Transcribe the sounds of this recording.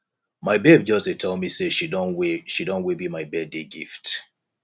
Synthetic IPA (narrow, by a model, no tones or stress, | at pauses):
maɪbeb̚d͡ʒɔsetʰɛlˠmiseʃidonweʃidõnwebimaɪbɛdeɡift